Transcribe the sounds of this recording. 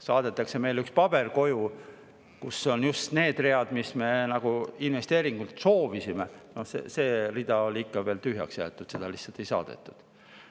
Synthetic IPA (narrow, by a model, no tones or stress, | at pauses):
sɑːd̪̥e̞t̪ːˑɑkse̞me̞jlykspɑb̥e̞rko̞ju | kusːo̞njust̪ne̞ːd̪̥re̞ɑd̪̥misme̞nɑɡ̥uinve̞st̪e̞ːɾiŋɡ̥ult̪so̞ːvisimeno̞hsḛse̞ːrid̪̥ɑo̞liikːɑve̞ːlt̪yɦjɑ̰ksjæ̰ːt̪ːˑud̥̪se̞d̪̥ɑlihsːɑlt̪ejsɑ̰ːd̪̥e̞̰t̪ːˑu̥d̪̥